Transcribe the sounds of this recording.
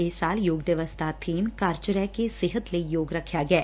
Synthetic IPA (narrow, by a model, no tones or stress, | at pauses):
esaːljoːɡd̪jəʋəst̪ʰaːt̪ʰeːmkaːɾt͡ʃəɾakesɪɦət̪lejoːɡɾɐkʰjaːɡɛː